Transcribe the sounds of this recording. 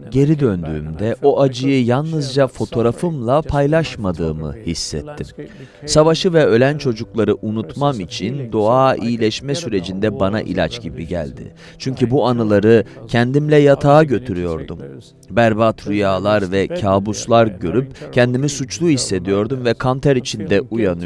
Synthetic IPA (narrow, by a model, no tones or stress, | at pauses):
ɟe̞ɾid̪ønd̪y̰ːmd̪ɛʔo̞ʔad͡ʒɯjɯjalˠnɯzd͡ʒafo̞t̪ʰo̞ɾafɯmlˠapʰajlˠaʃmad̪ɯːmɯ̰hisːɛ̰t̪ʰːim | savaʃɯvɛø̞lʲænt͡ʃʰo̞d͡ʒuklˠaɾɯʔunut̪mamit͡ʃʰind̪o̞aːiilʲɛʃmɛsyɾe̞d͡ʒind̪ɛbana̰ʔḭlʲa̰t͡ʃɟ̥ibiɟæ̰lʲd̪ɪ̰ | t͡ʃʰyɲcʰybuanɯlˠaɾɯcʰɛnd̪imlʲɛjat̪ʰaːɟø̞t̪ʰyɾyjo̞ɾd̪um | bæɾbat̪ɾujaːlˠaɾvɛcʰaːbuslˠaɾɟø̞ɾypcʰɛnd̪imisut͡ʃlˠuhisːe̞d̪ijo̞ɾd̪umvɛkʰant̪ʰæɾit͡ʃʰind̪ɛujanɯ